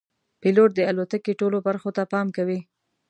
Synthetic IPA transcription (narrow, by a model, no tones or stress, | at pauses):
piloʈ̚d̪əalot̪akeʈolobaɾxot̪apɑmkawi